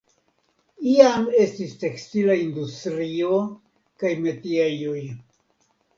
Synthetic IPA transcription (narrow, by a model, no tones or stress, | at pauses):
iame̞stiste̞kstilaindustɾio | kajme̞tiajoj